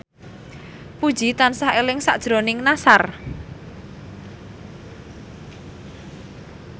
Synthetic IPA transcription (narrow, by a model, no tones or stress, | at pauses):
pud̥ʒ̥it̪ansaɦelɪŋsa̰ʔd̥ʒ̥ɾonɪŋnasar